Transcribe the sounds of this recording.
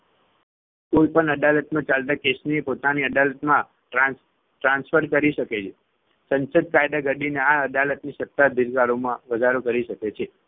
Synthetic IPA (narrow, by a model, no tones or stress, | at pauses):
koipəɳəd̪alət̪mãt͡ʃalt̪akesniepot̪aniəd̪alət̪mã | ʈɾã | ʈɾãnsfəɾkəɾiʃəket͡ʃʰe | sənsəd̪̚kajd̪aɡəɖineaəd̪alət̪nisət̪ːad̪iɾkaɾomãʋəd͡ʒ̪ʱaɾokəɾiʃəket͡ʃʰe